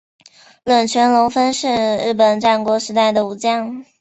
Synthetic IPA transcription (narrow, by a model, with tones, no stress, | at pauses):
lwə˨˩nt͡ɕʰɥɛ˧˥nlʊ˧˥ŋfə˥nʂɻ̩˥˧ɻɻ̩˥˩p̬ə˨˩nʈ͡ʂa˥˩nkwɔ˧˥ʂɻ̩˧˥t̪a˥˩ɪd̪ə˩u˧˥t͡ɕjɑ˥˩ŋ